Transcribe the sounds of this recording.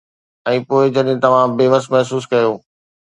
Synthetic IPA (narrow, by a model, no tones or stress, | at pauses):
ɛ̃ːpoːɪd͡ʑɐɗɪ̃t̪ɐʋ̤ãbeːʋəsmɛɦsuːskɐjoː